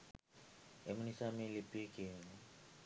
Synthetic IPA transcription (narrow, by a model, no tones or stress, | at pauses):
emunisamilipikinu